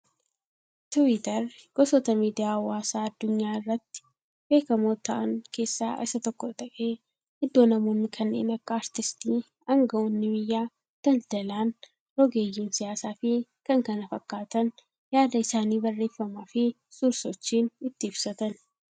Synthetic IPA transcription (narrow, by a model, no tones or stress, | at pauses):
t̪ʊwit̪ɐɾɡ̥ɔsɔt̪ɐmiːd̪ɪjaːwaːsaːɐd̪ːʊɲːaːɪrːɐt̪ːɪ̥ | b̥e̞ːkɐmoːt̪ːɐʔɐŋkʰe̞ːsːaːʔɪsɐt̪ɔkːɔt̪ʼɐkʼeː | ɪd̪ːo̞ːnɐmonːɪkʰɐnːḛːnɐkːaːɾt̪ɪst̪iː | ɐŋɡɐɔnːɪbɪjːaː | d̪̥ɐld̪ɐlaːn | ɾɔɡe̞ːjːɪnsɪjaːsaːfɪkɐŋkɐnɐfɐkːaːt̪ɐn | jaːd̪ɐɪsaːniːbɐrːe̞ːfːɐmaːfɪ | sʊɾsɔt͡ʃːiːnɪt̪ːɪɪbsɐt̪ɐn